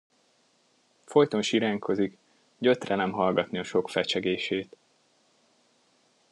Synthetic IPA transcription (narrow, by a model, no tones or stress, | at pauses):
fo̞jt̪o̞nʃiɾaːŋkʰo̞zik | ɟøt̪rɛnɛmɦɒlɡɒt̪niɒʃo̞kfɛt͡ʃɛɡeːʃeːt̪